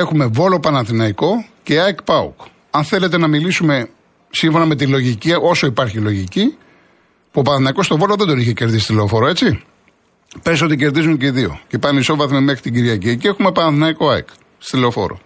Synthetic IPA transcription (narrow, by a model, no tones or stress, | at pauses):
e̞xume̞vo̞lo̞pɐnɐθinɐiko̞ce̞ɐjkpɐṵk | ɐnθe̞le̞t̪e̞nɐmilisume̞ | siɱfo̞nɐme̞t̪̬ilo̞ʝiciʔo̞so̞ipɐɾçilo̞ʝici | pupɐnɐθinɐiko̞st̪o̞vo̞loðed̪o̞niçece̞ɾðisist̪ileofo̞ɾoe̞t͡si | pes̬o̞t̪ice̞ɾðizunceðio̞̰cepɐniso̞vɐθmime̞xɾit̪iɟiɾiɐciecie̞xume̞pɐnɐnθinɐiko̞ɐjk | st̪ileofo̞̰ɾo̰